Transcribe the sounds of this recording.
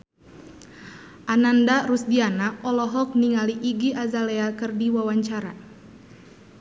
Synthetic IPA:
ʔanandarusdianaɔlɔɦɔk̚niŋaliʔiɡiʔazalɛakɨrdiwawaɲt͡ʃaɾa

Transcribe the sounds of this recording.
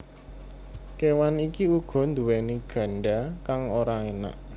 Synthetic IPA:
kewanikiuɡ̥ɔ̤nd̪uweniɡ̥ä̤ɳɖakaŋoɾaena̰ʔ

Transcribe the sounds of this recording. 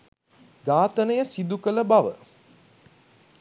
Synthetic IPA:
ɡaːt̪ənəjəsid̪ukələbaʋə̰

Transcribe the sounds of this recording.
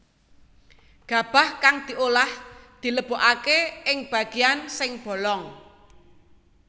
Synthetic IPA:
ɡ̥a̤b̥a̤hkaŋd̪̥i̤ʔolahd̪̥i̤ləb̥o̤ʔakeɪŋb̥ä̤ɡ̥ijansɪŋb̥ɔ̤lɔŋ

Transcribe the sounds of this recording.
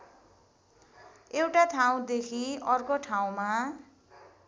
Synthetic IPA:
ewʈat̪ʰaw̃d̪ekʰiʌrkoʈʰaw̃ma

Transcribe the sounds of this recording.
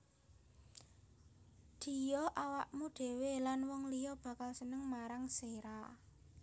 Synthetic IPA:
d̪̥i̤jɔʔawaʔmuɖ̪̥e̤welanwɔŋlijɔb̥a̤kalsənəŋmaɾaŋseɾa

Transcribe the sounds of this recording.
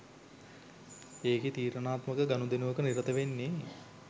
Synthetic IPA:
eːket̪iːɾənaːt̪məkəɡanud̪enuʋəkəniɾət̪əʋenːe

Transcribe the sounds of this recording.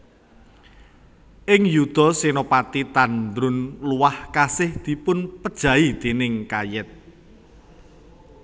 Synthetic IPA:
ʔɪŋjud̪̥ɔ̤senopat̪it̪and̪ɾʊnluwahkasɪhd̪̥i̤pʊnpəd̥ʒ̥ä̤id̪̥e̤nɪŋkajɛt̪̚

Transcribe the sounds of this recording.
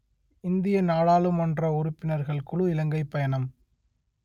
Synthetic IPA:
ɪnd̪ɪjɐnaːɽaːɭɯmɐndrɐʊɾʊpːɪnɐɾɣɐɭkɯɭɯɪlɐŋɡɐɪpːɐjɐɳɐm

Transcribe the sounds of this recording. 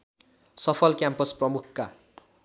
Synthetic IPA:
sʌpʰʌlkjampʌsprʌmukʰka

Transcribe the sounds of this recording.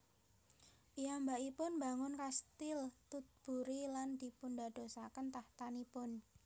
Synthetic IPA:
ʔiambaʔipʊnbaŋʊnkast̪ɪlt̪ut̪̚b̥ṳɾiland̪̥i̤pundad̪̥o̤sakənt̪aht̪anipʊn

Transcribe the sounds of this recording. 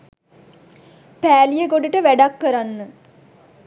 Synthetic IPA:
pæːlijəɡoɖiʈəʋæɖakːəɾanːə

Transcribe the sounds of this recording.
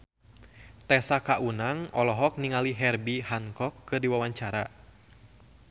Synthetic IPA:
t̪ɛsakaʔunaŋɔlɔɦɔk̚niŋaliɦɛrbihaŋkɔkːɨrdiwawaɲt͡ʃaɾa

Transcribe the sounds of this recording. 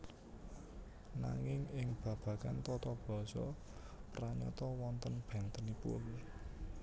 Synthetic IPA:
na̰ŋɪŋɪŋb̥ä̤b̥ä̤kant̪ɔt̪ɔb̥ɔ̤sɔpɾaɲɔ̰t̪ɔwɔnt̪ənb̥ɛnt̪ənipʊ̰l

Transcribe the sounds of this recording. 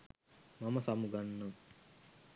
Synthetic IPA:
maməsamuɡanːam

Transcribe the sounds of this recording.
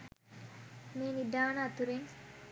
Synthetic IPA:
meːnid̪aːnəɐt̪uɾeŋ

